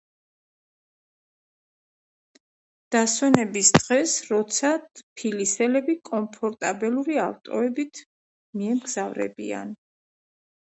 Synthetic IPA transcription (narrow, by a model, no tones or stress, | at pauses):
d̪̥aswɛnɛbisd̪̥ʁɛsɾɔt̪sʰapʰilisɛlɛbikʼɔmpʰɔɾt̪ʼabɛluɾiaft̪ʼɔ̰ɛbit̪ʰ | miɛmɡzavɾɛ̰bḭa̰n